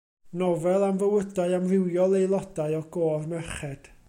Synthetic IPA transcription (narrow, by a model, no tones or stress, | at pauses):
nɔvɛlˠamvəwədaɨamrɪwjɔlˠejlˠɔdaɨɔɡoːrmɛχɛd̥